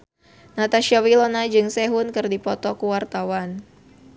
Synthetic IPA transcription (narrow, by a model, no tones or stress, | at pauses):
nat̪aʃiawilonad͡ʒɨŋsɛɦʊnkɨrdipɔt̪ɔkuwart̪awan